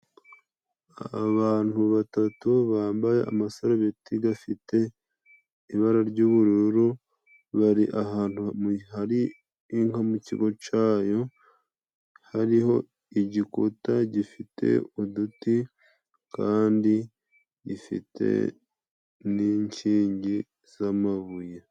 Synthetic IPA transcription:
aβaːn̥huβatatuβaːmbaje̞̰ʔa̰masoɾaβitiɡafite̞ | iβaɾaɾɟuːβuɾuɾu | βaɾiʔaɦaːn̥humuhaɾiː | ŋamucḭɡo̞t͡ʃaːjo̞ | haɾiho̞ | iɟikṵtaɟifitḛuduti | kaːndi | ɟifḭtʰe̞̰ | niːɲt͡ʃiːɲɟi | z̥amaβuje

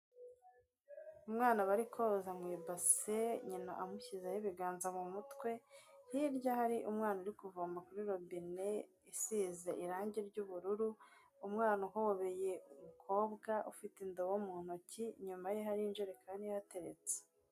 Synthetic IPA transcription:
umŋaːnaβaɾikʰozamwiːbaseɲina̰ʔamuçizahiβiɡaːnzamumutkwe̞hiɾɟahaɾiʔumŋaːnaɾikuvombakuɾiɾo̞bine̞ | isiːze̞ʔiɾaːɲɟeɾɟuβuɾuɾu | umŋaːnuɦooβeje̞umukʰo̞ːbɡaʔufitendowomuːn̥ociɲumajeɦaɾinʒiɾekʰaːnijate̞ɾḛt͡se̥

